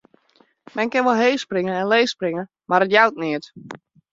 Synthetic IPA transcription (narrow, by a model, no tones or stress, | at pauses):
mɛnkɪnʋɔlˠɦeːsprɪŋəɛnleːsprɪŋə | maɾətjawtnɪət